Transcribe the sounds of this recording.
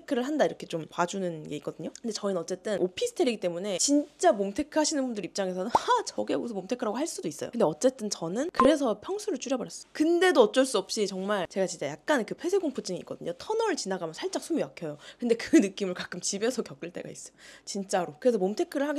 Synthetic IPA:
ekʰːɯɾɯɭɦandaiɾʌkʰe̞t͡ɕ͈ompad͡ʑunɯnɡe̞ik͈ʌdɯɲokɯnde̞t͡ɕʌinɯnʌt͡ɕ͈e̞t͈ɯnopʰisʰɯ̥tʰe̞ɾiɡit͈e̞mune̞t͡ɕint͡ɕ͈amomtʰe̞kʰɯɦaɕʰinɯnbundɯɾip̚t͡ɕ͈aŋe̞sʰʌnɯnat͡ɕʌɡieɡosʰʌmomtʰekʰɯɾaɡoɦaɭs͈udois͈ʌjo̰kɯnde̞ʌt͡ɕ͈e̞t͈ɯnt͡ɕʌnɯnkɯɾe̞s̬ʰʌpʰjʌŋsʰuɾɯɭt͡ɕ͈ʰuɾjʌbʌɾjʌs͈ʌjokɯnde̞doʌt͡ɕ͈ʌɭs͈uʌp̚ɕ͈it͡ɕʌŋmaɭt͡ɕe̞ɡat͡ɕint͡ɕ͈ajak̚k͈ankɯpʰwe̞sʰeɡoŋpʰut͡ɕ͈iŋik͈ʌdɯɲotʰʌnʌɾɯɭt͡ɕinaɡamjʌnsʰaɭt͡ɕ͈aŋsʰumibakʰjʌjokɯnde̞kɯnɯk͈imɯɭkak͈̚ɯmt͡ɕibe̞sʰʌkjʌk͈ɯɭt͈e̞̰ɡa̰is͈ʌot͡ɕint͡ɕ͈aɾokɯɾe̞sʰʌmomtʰe̞kʰɯɾɯɭhaɡe

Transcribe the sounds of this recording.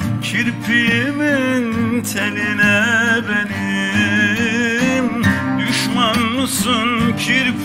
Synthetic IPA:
cʰiɾpʰijemint̪ʰeninɛbeni | md̪yʃmanmɯsɯncʰiɾp

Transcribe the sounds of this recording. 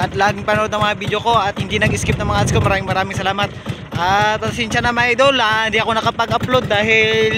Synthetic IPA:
ʔɐt̪laːɡɪŋpɐnʊʔod̪nɐŋmɐŋabid̪joko̞ʔɐt̪̚hɪnd̪inɐɡɪskɪp̚nɐŋmɐŋaʔat̪skomɐɾaːmɪŋmɐɾaːmɪŋsɐlaːmɐt̪̚ | ʔapɐsɛnʃɐnɐmaɐjd̪olaɪnd̪iʔɐko̞nɐkɐpɐɡʔɐplod̪̚ːaːɦɪl

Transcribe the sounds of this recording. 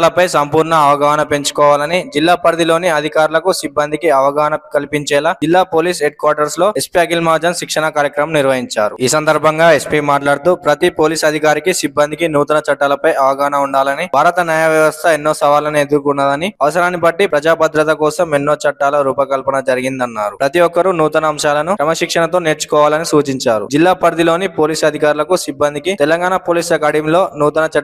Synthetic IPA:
lɐpɐjsɐmpuːɾɳɐːʋɐɡaːɦɐnɐpe̞ɲt͡ʃu̥kɔːʋaːlɐnid͡ʒilːaːpɐɾd̪ilo̞ːniɐd̪ʱikaːɾulɐkusibːɐnd̪ʱikiɐʋɐɡaːɦnɐkɐlipiɲt͡ʃɛːlɐd͡ʒilːaːpo̞ːliːseɖ̚kwʋaːɾʈɐɾslo̞ːespiaːɡilmaːd͡ʒɐnʃikʂɐɳɐkaːɾjɐkɾɐmniɾʋɐɦiɲt͡ʃaːɾuiːsɐnd̪ɐɾbʱɐŋɡaːespiːmaːʈlaːɽt̪upɾɐt̪ipo̞ːliːsɐd̪ʱikaːɾikisibːɐnd̪ʱikinuːt̪unɐt͡ʃɐʈːalɐpɐjɐʋɐɡaːnɐuɳɖaːlɐnibʱaːɾɐt̪ɐnjaːjɐʋjɐʋɐst̪ʰɐenːo̞ːsɐʋaːlɐnied̪uɾkunːaːd̪ɐniɐʋɐsɐɾaːnːibɐʈːipɾɐd͡ʒaːbɐd̪ɾɐt̪ɐkɔːsɐmenːo̞ːt͡ʃɐʈːaːlɐɾuːpɐkɐlpɐnɐd͡ʒɐɾiɡind̪ɐnːaːɾupɾɐt̪iɔkːɐɾunuːt̪ɐnɐːmʃaːlɐnukɾɐmɐʃikʂɐɳɐt̪o̞ːne̞ːɾt͡ʃu̥kɔːʋaːlɐnisuːt͡ʃiɲt͡ʃaːɾṵd͡ʒilːaːpɐɾd̪ilo̞ːnipoːliːsɐd̪ʱikaːɾulɐkusibːɐnd̪ʱikit̪ɛlɐŋɡaːnapo̞ːliːslɐkɐɽimlo̞ːnuːt̪ɐnɐt͡ʃɐʈ

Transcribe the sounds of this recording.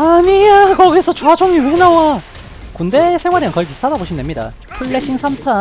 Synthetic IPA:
aɲiakʌɡisʰʌt͡ɕoat͡ɕʰoŋiwuɡnawa | kunde̞sʰeŋwaɾiɯnkʌip̬isɯ̥tʰadaboɕʰinde̞mɲida̰ | pʰuɭːeɕʰiŋsʰamtʰa

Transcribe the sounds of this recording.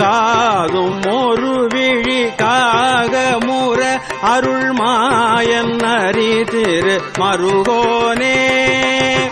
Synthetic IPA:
aːðɯmːoːrɯʋiɻikaːɣɐmuːɾɐ | ɐɾɯɭmaːjɐnnɐɾit̪ɪɾɯmɐɾɯɣoːne

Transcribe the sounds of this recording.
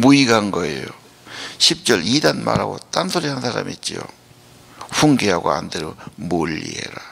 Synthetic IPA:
muiɡanɡʌejo | ɕʰip̚t͡ɕ͈ʌlidanma̰ɾɦaɡot͈ansʰoɾiɦannsʰaɾa̰mit̚t͡ɕ͈io | ɸuŋɡeɦaɡoa̰ndeɾomoʎːḭḛɾa

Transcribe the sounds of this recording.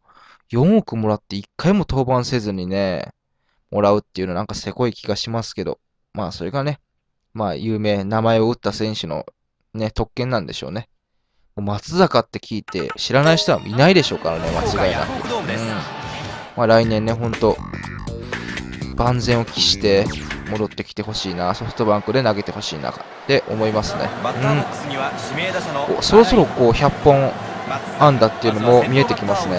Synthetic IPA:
jõ̞ɰ̃okɯ̟mo̞ɾat̪ːe̞ikːaimo̞t̪o̞ːbãɰ̃se̞zɨɲ̟ine̞ | mo̞ɾaɯ̟t̪ːe̞iɯ̟no̞nãŋkase̞ko̞ikʲiɡaɕimasɨ̥ke̞d̪o̞̰ | maːso̞ɾe̞ɡane̞ | maːjɯ̟ːme̞ːnamae̞o̞ɯ̟t̪ːasẽ̞ɰ̃ɕɨno̞̰ | ne̞t̪o̞kːẽ̞nːãnd̪e̞ɕo̞̰ːne | momat͡sɨzakat̪ːe̞kʲʰiːt̪e̞̰ɕiɾanaiɕt̪oa̰m̰inaid̪e̞ɕo̞ːkaɾane̞mat͡ɕiɡaena̰kkɯ̟ɯ̃ː | maɾainẽ̞nːe̞ɦõ̞nt̪o̞ | b̥ãnd͡zẽ̞ɰ̃o̞kʲi̥ɕi̥t̪e̞mo̞d̪o̞t̪ːe̞kʲi̥t̪e̞ɦo̞ɕiːnaso̞ɸɯ̥t̪o̞bãŋkɯ̟d̪e̞naɡe̞t̪e̞ho̞ɕḭːna̰ka | t̪ːe̞ʔo̞̰mo̞imasɨne̞̰ɯ̟̃ɴ | ko̰so̞ɾo̞so̞ɾo̞ko̞ːçapːõ̞ɴ | ãnd̪at̪ːeiɯ̟no̞momʲie̞t̪e̞kʲimasɨne̞

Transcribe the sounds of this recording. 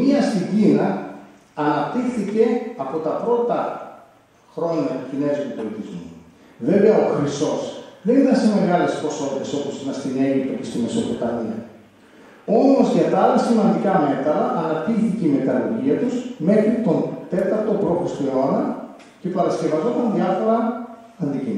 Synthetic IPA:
miɐst̪iɟinɐː | nɐp̚t̪ixθice̞ɐpo̞t̪ɐpɾo̞t̪ɐ | xɾo̞ɲɐcine̞zit̪upolit̪izmu | ve̞veɐoxɾiso̞sðenit̪ɐnseme̞ɣɐle̞spo̞so̞t̪iθeso̞posinɐst̪ine̞ʝip̚t̪o̞cest̪ime̞so̞pot̪ɐniɐ̰ | o̞molosʝɐt̪ɐɐlɐsimɐnd̪ikɐme̞t̪ɾɐʔːnɐp̚t̪ixθiceime̞t̪ɐloɾʝiɐt̪uzme̞xɾit̪o̞nt̪e̞t̪ɐɾt̪o̞pɾo̞xɾist̪oeo̞nɐ | ce̞pɐɾɐsce̞vɐzo̞t̪ɐnðiɐfo̞ɾɐ | ɐnd̪icim

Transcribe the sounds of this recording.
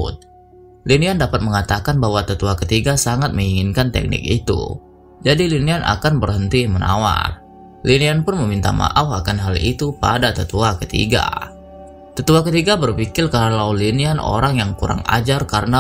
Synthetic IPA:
t̪̚ | liniandapat̪̚məŋat̪akanbaɦwat̪ət̪uakət̪iɡasaŋat̪̚məŋiŋɪnkant̪ɛ̰k̚nɪ̰k̚it̪ṵ | d͡ʒadilinianʔa̰kanbərɦənt̪iməna̰wa̰r | linianpʊnməmint̪a̰ma̰ʔafakanɦalit̪upa̰dat̪ət̪uakət̪ḭɡa̰ | t̪ət̪uakət̪iɡabərpikɪlkalawliniano̰ɾaŋjaŋkuɾa̰ŋa̰d͡ʒarkaɾəna

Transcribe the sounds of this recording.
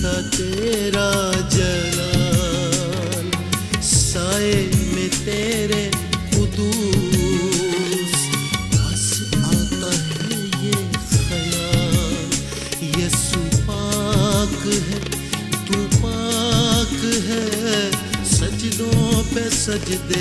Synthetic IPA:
t̪at̪eɾad͡ʒɐla | lsaːemẽt̪eːɾekʊd̪u | sasaːt̪aɦɛ | jesɐlal | jesupakɦɛ | t̪upaːkɦɛ | sɐt͡ʃd̪õpesɐt͡ʃd̪eː

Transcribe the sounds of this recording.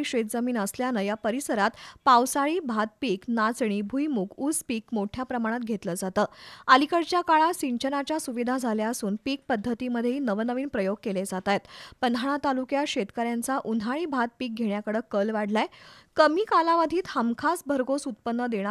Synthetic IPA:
ɕet̪̚d͡zəmiːnəsljanəjapəɾisəɾat̪pawsaɭiːbʱat̪̚piːknat͡sɳ̃ibʱujmukʰud͡zpiːk̚moʈʰjapɾəmaɽ̃at̪̚ɡʱet̪ləd͡zat̪əːəlikəɽt͡ɕjakaɭasiɲt͡ɕənat͡ɕjasuʋid̪ʱad͡zʱaljaəsuːnpiːk̚pəd̪ʱːət̪iməd̪ʱːjeinəʋənəʋiːnpɾəjoɡ̚keled͡zat̪ajt̪pənd̪ʱaɳ̃at̪alukjaɕet̪kəɾjant͡saʔunʱaɭiːbʱat̪̚piːk̚ɡʱeɳjakəɽəkəlʋaɽ̤laekəmiːkalaʋəd̪ʱiːt̪həmkʰasbʱəɾɡosut̪̚pənːəd̪eɽ̃

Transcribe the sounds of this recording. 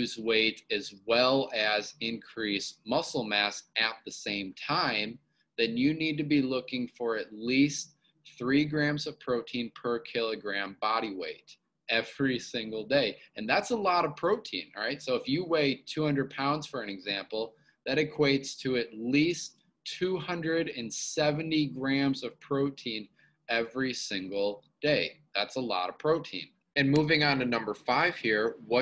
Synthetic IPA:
hʉzweɪɾɨzwɛlˠɨzɪ̃nkʰɹ̥ismʌsl̩ˠmæsɨt̪̚ðɨsẽɪ̃mtʰãɪ̃m | ðɨ̃njɨnid̚tɨbilʊkɪ̃ŋfə˞ɨtˡlist | θɹiɡɹæ̃mzʌv̥pʰɹ̥oʊtʰĩnpʰə˞kʰɪlˠəɡɹæ̃mbɑɾiweɪɾ | ɛv̥ɹisɪ̃ŋɡl̩ˠdeɪɨ̃nðætsəlɔɾʌ̥pʰɹ̥oʊtʰḭ̃nɹaɪtsoʊəfjɨweɪtʰʉhʌ̃ndɹəd̚pʰãʊ̃ndz̥fə˞ɨ̃nɨɡzæ̃mpl̩ˠ | ðɨɾɨkʰw̥eɪtstʰɨɨtˡlist | tʰuhʌ̃ndɹɨɾɨ̃nsɛvɨ̃ntiɡɹæ̃mzʌv̥pʰɹ̥oʊtʰĩn | ɛvɹisɪ̃ŋɡl̩ˠd̥eɪðætsəlɔ̰ɾʌ̥pʰɹ̥oʊtʰḭ̃n | ɨ̃nmuvɪ̃ŋə̃ntɨnʌ̃mbə˞faɪv̥hiɹwʌ

